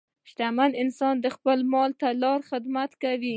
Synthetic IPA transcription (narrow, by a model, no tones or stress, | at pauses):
ʃt̪amanɪnsɑnd̪əxpəlmɑlt̪alɑɾxɪd̪mat̪kawi